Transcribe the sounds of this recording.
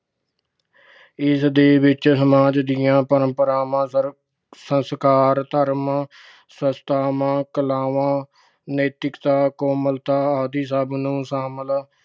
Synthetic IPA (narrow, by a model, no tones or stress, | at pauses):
ɪsd̪eːʋɪt͡ʃsəmaːd͡ʒd̪ɪjãːpəɾəmpəɾaːmãː | sənskaːɾt̪əɾm | səst̪aːmãːkəlaːʋãː | nəːt̪ɪkt̪aːkoːməlt̪aːaːd̪iːsaːbnũːsaːməl